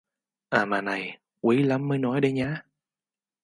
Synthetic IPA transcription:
ʔaː˨˩maː˨˩na˨˩j | kwi˨˦la˨˦mːəː˨˦jnɔ˨˦jɗə˧jɲaː˧˥

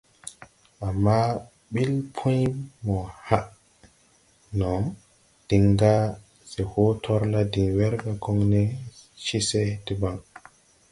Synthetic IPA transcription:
a˨mːa˦ | ɓi˦lpʰɔ̃˦jmɔ˨ha˦ʔ | nɔ˨ | d̥i˨ŋɡa˦ | sɛ˨ho˦tʰɔ˦ɾla˦di˨ŋwɛ˦ɾɡa˨ɡɔ˦ŋnɛ˦ʃi˦se˦ti˨ba˨ŋ

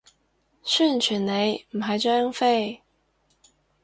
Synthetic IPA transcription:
ɕy˥˨nt͡ɕʰy˨˩nne˨˧˥ɪm̩˨˩ɦa˨˥ɪt͡ɕa˥ɑ˥˧ŋfe˥˩ɪ

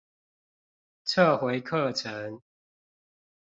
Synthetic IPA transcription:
t͡sʰə˥˨xwe˨˦ɪkʰə˥˨ʈ͡ʂʰə˨˦ŋ

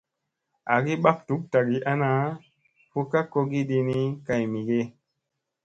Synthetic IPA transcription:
a̰˨ɡi˦ɓa˦k̚tu˨˦k̚ta˨ɡi˦ʔa˦na˨˦ | po˦ka˦ko˦ɡi˦ɗi˧ni˦ka˨jmi˨ɡe˦

